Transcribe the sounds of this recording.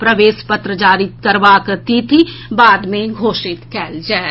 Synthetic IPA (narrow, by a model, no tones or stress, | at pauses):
pɾɐʋeːʃpət̪ɾəd͡ʒaːɾɪt̪kəɾʋaːkt̪it̪ʰibaːd̪mẽɡʱoːʃɪt̪kɛːld͡ʒɛː